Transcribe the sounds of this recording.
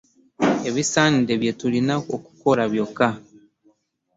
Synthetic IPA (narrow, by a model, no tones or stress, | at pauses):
e̞βisaːndeβje̞tulinaoku̥ko̞ɾaβjo̞ka